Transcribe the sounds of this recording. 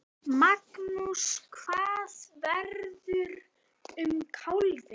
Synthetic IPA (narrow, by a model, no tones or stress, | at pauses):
maknuskʰvaːsvɛɾðʏɾ | ʏmkʰawlvɪ